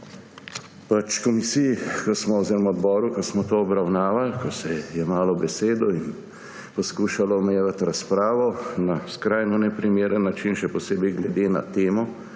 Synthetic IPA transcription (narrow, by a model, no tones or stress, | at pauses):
pat͡ʃkɔmisijkɔsmɔɔwzeɾɔmaɔd̪bɔːɾukɔsmɔt̪oɔbɾawnaːʋalkɔsɛjɛmaːlɔbɛseːd̪ɔin | pɔskuːʃalɔːmɛjeʋat̪ɾaspɾaːʋɔnaskɾajnɔnɛpɾimeːɾənːat͡ʃinʃɛpɔseːbɛjɡlɛd̪eːna̰t̪eːmɔ